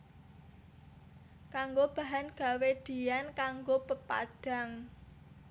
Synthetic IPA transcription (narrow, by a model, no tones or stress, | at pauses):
kaŋɡob̥a̤ɦanɡ̥a̤wed̪̥i̤jankaŋɡopəpa̰d̥a̤ŋ